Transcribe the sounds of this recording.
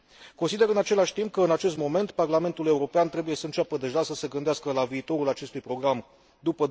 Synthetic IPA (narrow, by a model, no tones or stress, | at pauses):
ko̞nsid̪e̞ɨnat͡ʃe̞laʃʲt̪imp̚kəɨnat͡ʃe̞s̬t̪mo̞me̞nt̪parlame̞nt̪ule̞uɾo̞peant̪ɾe̞buje̞səɨnt͡ʃapəd̪e̞ʒasəse̞ɡɨnd̪easkəlaviːt̪o̞ɾulat͡ʃe̞st̪ujpɾo̞ɡɾam | d̪upə